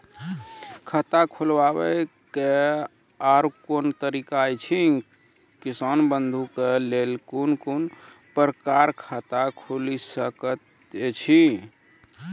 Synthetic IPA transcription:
kʰət̪akʰulʋabɛ | ke | aɾkont̪əɾikajt͡ʃʰi | kisanbənd̪ʱukelelkunkun | pəɾəkaɾkʰət̪akʰulisəkət̪ | d͡ʒet͡ʃʰĩ

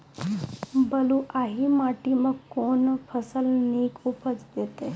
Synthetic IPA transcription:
bəlũʔaɦimaʈimãkonpʰəsəlnikupət͡sd̪et̪e

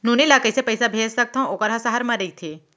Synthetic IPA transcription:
nunilakəjsepəjsabʱeːd͡ʒsɐk̚t̪ʰãokəɾɦãsaɦəɾmɐɾəit̪ʰe

